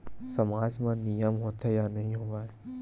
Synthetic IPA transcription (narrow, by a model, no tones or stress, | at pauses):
sɐmaːd͡ʒmãnijəmɦoːt̪ejanɐɦĩɦoːʋaːe